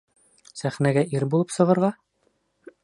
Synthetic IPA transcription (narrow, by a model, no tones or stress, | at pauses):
sæχnæɡæʔiɾbulˠɤpsɤ̆ʁɤ̆ɾʁɑ